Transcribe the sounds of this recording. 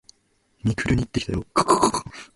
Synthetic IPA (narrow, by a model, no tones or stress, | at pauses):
mʲikɯɾɯ̟ɲ̟iːt̪ːeçi̥t̪ajokkokk